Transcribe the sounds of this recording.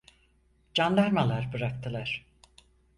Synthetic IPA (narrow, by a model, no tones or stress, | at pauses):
d͡ʒanlˠaɾmalˠaɾbɯɾak̚t̪ʰɯlˠaɾ̥